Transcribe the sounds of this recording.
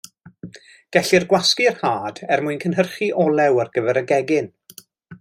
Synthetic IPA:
ɡ̥ɛɬirɡwaskiərhaːd̥ɛrmʊɨnkʰənɦərχiʔɔlˠɛwarɡəvɛɾəɡɛɡɪn

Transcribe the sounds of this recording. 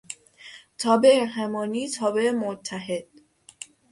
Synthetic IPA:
t̪ʰɒːbeʔehæmɒːniːt̪ʰɒːbeemot̪ʰːæɦed̪̥̚

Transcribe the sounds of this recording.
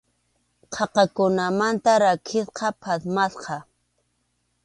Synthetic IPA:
qʰɑqɑkʊnamant̪aɾakʰɪsqɑpʰasmasqɑ

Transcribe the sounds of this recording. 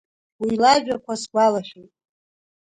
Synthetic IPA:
wilaʒᶣakʷʰasɡʷalaχʲᶣutʼ

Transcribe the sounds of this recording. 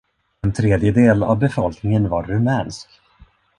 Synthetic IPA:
ɛnt̪ʰɾeːd̪jəd̪eːla̰vbɛfɔlknɪŋənvaɾːɵmɛːnsk

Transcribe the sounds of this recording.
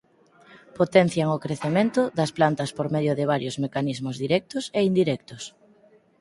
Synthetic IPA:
pot̪ɛn̟θjaŋokɾeθemẽnt̪ʊðɐsplant̪ɐspoɾmeðjʊðɪβ̞aɾjozmekanizmʊzðiɾɛk̚t̪ʊseind̪iɾɛk̚t̪ʊs

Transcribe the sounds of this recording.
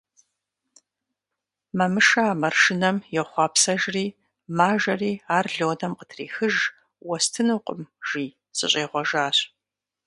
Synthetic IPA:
mɐmɨʂaːmɐrʃɪnɐmjɛχʷɑːpsɐʒriː | maːʒɐriːaːrɮoːnɐmqətʰrḭːxɨʒ | wɔstʰɨnɨqʷʼʊmʒ̥iː | sɨ̰ɕʼeːʁʷɔʒaːɕ

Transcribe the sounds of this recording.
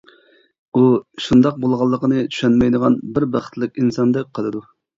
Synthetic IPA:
uʃund̪ɑq̚bolˠʁɑlˠːəqənɨt͡ʃ̪ʰy̥ʃɛnmɛjd̪əʁɑnbɪɾbɑχə̥t̪lɪkʲinsɑnd̪ɛk̚ʲqʰəlˠɨd̪u

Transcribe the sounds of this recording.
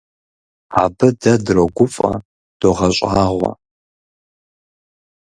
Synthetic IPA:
aːbɨdɐdrɐɡʷʊfʼɐ̰ | d̥oʁɐɕʼaːʁʷɐ̰

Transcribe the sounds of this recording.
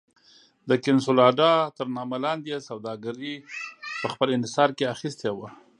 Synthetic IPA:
d̪əkɪnsulɑɖɑt̪əɾnɑmalɑnd̪jesawd̪ɑɡaɾipəxpəlɪnhɪsɑɾkeaxist̪ewa

